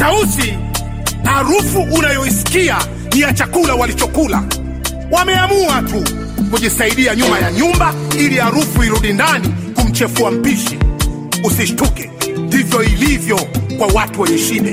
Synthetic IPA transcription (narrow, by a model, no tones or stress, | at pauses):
tausi | aɾufuʔunajɔisi̥kia | niat͡ʃakulawalit͡ʃɔkula̰ | wamɛamuatu | kuʄisaiɗiaɲumajaɲumbailiaɾufuiɾuɗindanikum̩t͡ʃɛfuam̩piʃi | usiʃtukɛndivjɔilivjɔkwawatuwɛɲɛʃinɛ